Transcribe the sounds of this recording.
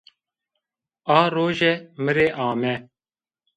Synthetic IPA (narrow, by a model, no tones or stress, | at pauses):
aːɾoːʒeːməɾeːʔaːmeː